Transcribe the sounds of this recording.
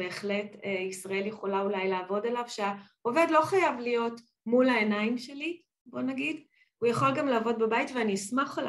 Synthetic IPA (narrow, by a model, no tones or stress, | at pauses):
beːχle̞teisʁae̞ljeχolaulajlaːvo̞dalavʃea | ove̞dlo̞χajavlijo̞t | mulae̞naimʃeli | bo̞naɡid | ujaχo̞lɡamlaːvo̞dbebajitveanismaχal